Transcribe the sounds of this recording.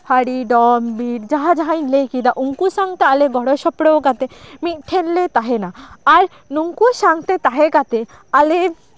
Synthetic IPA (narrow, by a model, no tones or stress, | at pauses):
pʰaɽiɖɔmbiɾd͡ʒaɦad͡ʒaɦajnlejkid̪aʔuŋkusaŋt̪ealeɡɔɽoʃɔpɽokat̪emit̪̚ˀʈʰenlet̪aɦenaaɾ | nuŋkusaŋt̪et̪aɦekat̪e | ale